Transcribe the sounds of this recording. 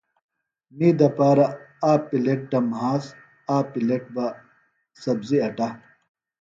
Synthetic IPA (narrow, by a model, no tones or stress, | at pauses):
miːd̪ɐpaːɾɐaːpileʈ̚ɖɐmɦaːz | aːpileʈ̚ba | sɐbziɐʈa